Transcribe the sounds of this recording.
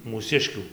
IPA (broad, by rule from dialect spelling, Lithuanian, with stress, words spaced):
muːˈsʲɪʃʲkʲuː